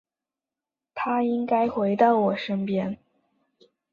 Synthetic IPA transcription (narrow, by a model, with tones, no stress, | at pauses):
t̪ʰa˥i˥ŋka˥ɪxwe˧˥ɪt̪ɑ˥˩ʊwɔ˨˩ʂə˥ŋpjɛ˥n